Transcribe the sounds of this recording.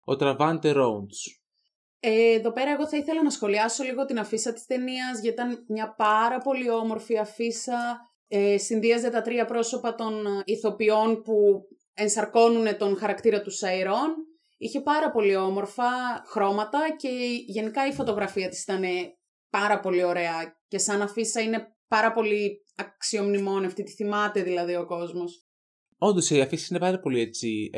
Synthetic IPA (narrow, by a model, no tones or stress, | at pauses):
o̰t̪ɾɐvɐnt̪eɾons | eðo̞pe̞ɾɐe̞ɣo̞θɐiθe̞lɐnɐsxo̞liɐso̞liɣo̞t̪inɐfisɐt̪i̥st̪e̞niɐzʝɐit̪ɐnmɲɐpɐɾɐpo̞lio̞mo̞ɾfiɐfisɐ | esinðiɐze̞t̪ɐt̪ɾiɐpɾo̞so̞pɐt̪o̞niθo̞pio̞npu | e̞nsɐɾko̞nune̞t̪o̞nxɐɾɐkt̪iɾɐt̪usɐiɾo̞n | içe̞pɐɾɐpo̞lio̞mo̞ɾfɐxɾo̞mɐt̪ɐce̞ʝe̞nikɐifo̞t̪o̞ɣɾɐfiɐt̪i̥si̥t̪ɐne̞ | pɐɾɐpo̞lio̞ɾe̞ɐce̞sɐnɐfisɐine̞pɐɾɐpo̞li | ɐksio̞mnimo̞nɐft̪it̪i̥θimɐt̪e̞ðilɐðio̞ko̞zmo̞s | o̞nd̪oseiɐfisi̥sinepɐɾɐpo̞liet͡si